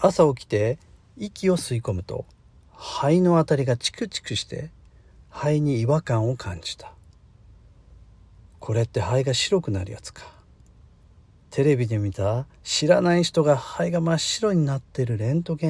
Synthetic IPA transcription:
asao̞kʲi̥t̪e̞ | ikʲio̞sɨiko̞mɯ̟t̪o̞̰ | haino̞at̪aɾʲiɡat͡ɕi̥kɯ̟t͡ɕi̥kɯ̟ɕi̥t̪e̞̰ | haiɲ̟iːβakãɰ̃o̞kʰãɲ̟d͡ʑi̥t̪ḁ | kʰo̞ɾe̞t̪ːe̞haiɡaɕiɾo̞kɯ̟naɾʲɯ̟ja̰t͡sɨ̥kʰḁ | t̪ʰe̞ɾe̞bʲid̪e̞mʲit̪a | ɕiɾanaiɕi̥t̪o̞ɡahaiɡamaɕiɾo̞ɲ̟inat̪ːe̞ɾɯ̟ɾẽ̞nt̪o̞ɡẽ̞

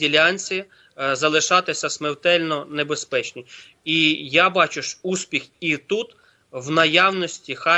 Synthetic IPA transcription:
ilʲanʲt͡sʲi | zɐlˠɪʃɑt̪ɪsʲɐsmewt̪ɛlʲnɔnebespɛt͡ʃnʲi | ijabɑt͡ʃʊʃuspʲixit̪ut̪ | wnɐjawnɔsʲtʲixɑ

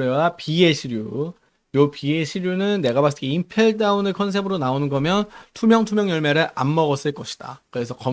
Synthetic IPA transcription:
ewapieɕʰiɾju | jopieɕʰiɾjunɯnːe̞ɡabas̬͈ɯɡeimpʰeɭdaunɯkʰʌns̬ʰe̞bɯɾonaonɯnɡʌmjʌntʰumjʌŋtʰumjʌŋjʌɭmeɾɯɭʔa̰mːʌɣʌs͈ɯɭk͈ʌɕʰi̥d̥a̰kɯɾe̞sʰʌkʌ

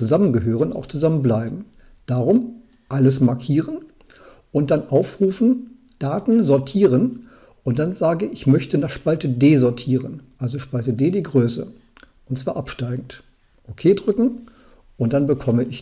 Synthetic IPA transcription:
t͡suzamənɡəɦøːʁ̞əna̰ʊxt͡suzamənblaɪbm̩ | d̥aʁʊm | ʔaləsmaɐkʰiːʁən | ʔʊnt̚d̥anʔaʊfʁuːfn̩ | d̥aːtn̩zɔɐtʰiːʁən | ʔʊnt̚d̥anzaːɡəʔɪçmœçtənaːχʃpaltədeːzɔɐtʰiːʁənʔalzoʃpaltədeːdiːɡʁøːsə̰ | ʔʊntt͡sv̥aːɐʔapʃtaɪɡŋ̩t | ʔokʰeːdʁʏkŋ̩ | ʔʊnt̚d̥anbəkʰɔməʔɪç

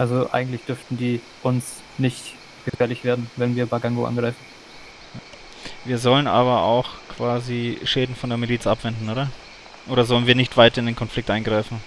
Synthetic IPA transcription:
ʔalzoʔa̰ɪɡŋ̩tlɪçd̥ʏɐftn̩diː | ʔʊns | nɪçt | ɡ̥əfɛːɐlɪçv̥eːɐdn̩vɛnviːɐbaɡaŋɡoʔa̰nɡʁaɪfn̩ | jaː | viːɐzɔlənʔa̰ːβɐa̰ʊxkʰv̥aːziʃɛːdn̩fɔndeːɐmiliːt͡sʔapv̥ɛndn̩ʔoːdɐ | ʔoːɾɐzɔlənviːɐnɪçtv̥aɪtɐɪndeːnkʰɔnflɪk̚tʔaɪnɡʁaɪfn̩

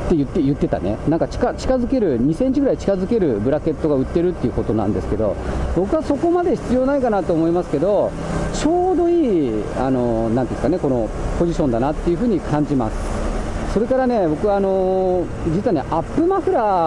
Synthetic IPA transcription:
t̪ːe̞jɯ̟t̪ːe̞jɯ̟t̪ːe̞t̪a̰ne̞̰nãŋkat͡ɕi̥kat͡ɕi̥kazɨke̞ɾɯ̟ɲ̟isẽ̞ɲ̟t͡ɕiɡɯ̟ɾait͡ɕi̥kazɨke̞ɾɯ̟bɯ̟ɾake̞t̪ːo̞ɡaɯ̟t̪ːe̞ɾɯ̟t̪ːeiɯ̟ko̞t̪o̞nã̰nd̪e̞sɨ̥ke̞d̪o̞̰bo̞kɯ̟βaso̞ko̞mad̪e̞çi̥t͡sɨjo̞ːnaikanat̪oːmo̞imasɨ̥ke̞d̪o̞ | t͡ɕo̞ːd̪o̞iːa̰no̞nãnt̪iskane̞ko̞no̞po̞ʑiɕõ̞nd̪anat̪ːe̞jɯ̟ɸɯ̟ːɲ̟ikʰãɲ̟d͡ʑima̰sɨ̥so̞ɾe̞kaɾane̞bo̞kɯ̟βano̞ | d͡ʑitt͡sɨɯβane̞̰ʔapːɯ̟maɸɯ̟ɾa

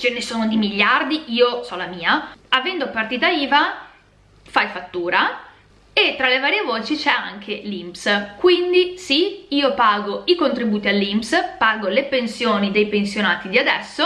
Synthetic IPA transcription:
t͡ʃenːesoːnod̪imiʎːard̪iiːosɔlamiːaavɛnd̪opart̪iːt̪aiːva | fajfat̪ːuːɾa | et̪ːɾalevaːɾjevoːt͡ʃit͡ʃɛaŋkʰelimpskwind̪isiiːopaːɡoikont̪ɾibuːt̪ialːimpspaːɡolepensjoːnid̪ejpensjonaːt̪id̪iad̪ɛsːo

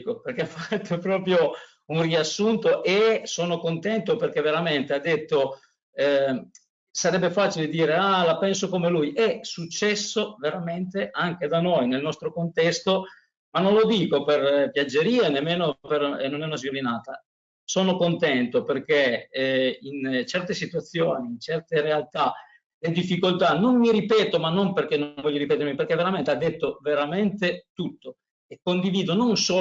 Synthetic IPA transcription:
koperk̟eafat̪ʰːopɾɔːpɾjo | unriasːunt̪oʔesoːnokont̪ɛnt̪operkeveɾament̪ead̪ːet̪ːo | saɾɛbːefaːt͡ʃiled̪iːɾeaːlapɛnsokomelujɛsut͡ʃːɛsːoveɾament̪eʔaŋk̟ed̪anojnelnɔst̪ɾokont̪ɛst̪o | manːõnlod̪iːkoperpjad͡ʒːeɾiːenemːeːnoperenonɛunoazvjolinaːt̪a | soːnokont̪ɛnt̪operk̟e | int͡ʃɛrt̪esit̪uat̪sːjoːniːnt͡ʃɛrt̪eɾealt̪a | led̪ifːikolt̪anonmiɾipɛːt̪omanːomperk̟enːoɱvɔʎːjoɾipɛt̪eɾmiperk̟eveɾament̪ead̪ːet̪ːoveɾament̪et̪ut̪ːo | ekːond̪iviːd̪ononsoː

